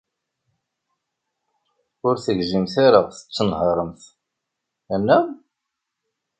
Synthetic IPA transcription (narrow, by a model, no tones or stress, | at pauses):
ʊɾθəʝʒəmθaɾaʁθə̥t͡sːənhəɾˤəmθ | ænːæ